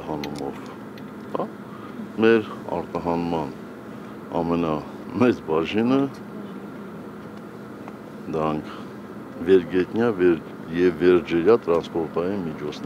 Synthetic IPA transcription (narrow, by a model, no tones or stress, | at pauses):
ɦɑnumɔv | hɑ | mɛɾ | ɑ̰ɾt̪ɑɦɑnmɑn | ɑ̰mɛnɑ | mɛt͡sbɑʒinə | d̪əɾɑŋkʰ | vɛɾɡɛt̪njɑ | jɛvːɛɾd͡ʒɛɾjɑt̪ɾɑnspɔɾt̪ɑjinmit͡ʃʰɔt͡sʰn